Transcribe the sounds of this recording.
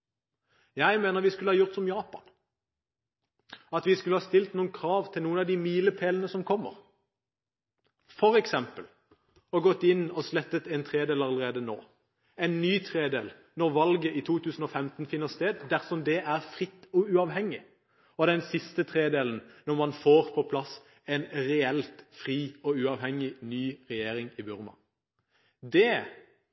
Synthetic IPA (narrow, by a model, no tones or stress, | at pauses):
jæɪmeːnəʁʋɪskʉləhɑːjʊʁt̪sɔmjɑːpɑ̰n | ɑt̪ʋɪskʉləhɑst̪ɪlt̪nuːənkʰʁɑːʋt̪ʰɪlnuːənɑʋd̪ɪmiːləpʰeːlənəsɔmkʰɔmːə̰ʁ | fɔʁɛksɛmpəl | ɔɡɔt̪ːɪnːɔslɛt̪ːət̪ɛnt̪ʰʁeːd̪eːlɑləʁeːd̪əno̰ː | ɛnːyːt̪ʰʁeːd̪ḛːl | nɔʁʋɑlɡəʔit̪ʰuːt̪ʰʉːsn̩ɔfɛmt̪n̩fɪnːəst̪eːd̪d̪æʁsɔmd̪ɛʔæʁfʁɪt̪ːɔʉɑʋɦɛŋːɪ | ɔd̪ɛnsɪst̪ət̪ʰʁeːd̪eːln̩nɔʁmɑnfoːʁpʰɔpʰlɑs | ɛnʁɛɛlt̪fʁiːɔʉɑːʋhɛŋɪnyːʁɛjeːɾɪŋɪbʉʁmɑ̰ | d̪ɛ